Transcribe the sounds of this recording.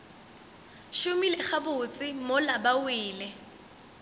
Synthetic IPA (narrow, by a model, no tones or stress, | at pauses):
ʃʊmilɛχabʊt͡sʼɪmolabawiːlɛ